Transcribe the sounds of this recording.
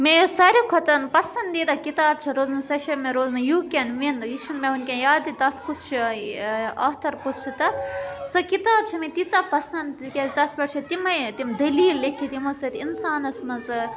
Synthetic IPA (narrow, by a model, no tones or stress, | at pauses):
mejosɐɾʲikʰot̪ɐnpɐsɐnd̪d̪it̪ɐkit̪aːbt͡ʃʰɐɾoːzmɐsɐʃɐmẽɾoːzmɐjuːkʲenʋinjiʃinmʲeunkʲenjaːd̪it̪ɐt̪ʰkust͡ʃʰi | ɐht̪ʰɐɾkust͡ʃʰit̪ɐt̪sɐkit̪aːb̚t͡ʃʰɐmẽt̪it͡sɐpɐsɐnd̪kʲezt̪ɐt̪ʰpɐʈt͡ʃʰɐt̪imɐt̪imd̪ɐliːlːekʲʰit̪imosɐt̪insaːnɐsmɐzɐ